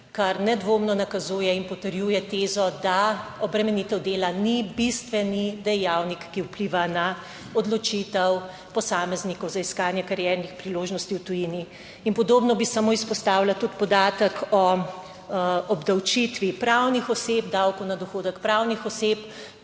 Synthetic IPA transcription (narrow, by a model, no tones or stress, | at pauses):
kaɾnɛd̪ʋoːmnɔnakɐzuːjɛinpɔt̪əɾjuːjɛt̪eːzɔd̪aɔbɾɛmɛnit̪ɛwd̪eːlanibist̪ʋɛnid̪ɛjawnikːiwpliʋana | ɔd̪lɔt͡ʃit̪ɛw | pɔsaːmɛznikɔwzaiskaːnjɛkaɾjɛːɾnixpɾiloːʒnɔst̪iwt̪ujini | inpɔd̪oːbnɔbisamoːispɔst̪aːwlat̪ut̪pɔd̪aːt̪əkʰɔ | ɔbd̪awt͡ʃit̪ʋipɾawnixɔsep̚d̪awkɔwnad̪ɔxoːd̪əkpɾawnixɔsep